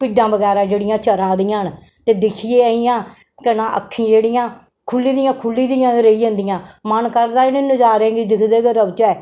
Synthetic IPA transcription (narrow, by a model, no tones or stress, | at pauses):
piɖãːbəɡɛːɾaːd͡ʒeːɽɪjãːt͡ʃəɾãːd̪ɪːãːn | t̪eːd̪ɪkʰiːeːəɦijãː | kənãːʔə̰kʰːĩːd͡ʒeːɽɪjãː | kʰʊlːiːd̪ɪjãːkʰʊlːiːd̪ijãːɾeːijə̃nd̪ɪjãːmənkəɾd̪aːnenʊd͡ʒaːɾẽːɡiːd̪ɪkʰd̪eːɡəɾəbt͡ʃɛː